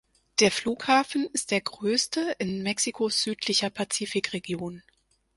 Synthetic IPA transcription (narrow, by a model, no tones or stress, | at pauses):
d̥eːɐfl̥uːkhaːfn̩ɪst̚d̥eːɐɡʁøːstəʔɪnmɛksikʰosz̥yːtʰlɪçɐpʰat͡siːfɪkʁeɡ̥joːn